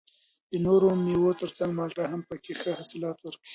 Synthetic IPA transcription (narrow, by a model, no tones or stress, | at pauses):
d̪ənoɾomiwot̪əɾt͡saŋɡmɑlʈaɦampəkexəhasɪlɑt̪wəɾkəwi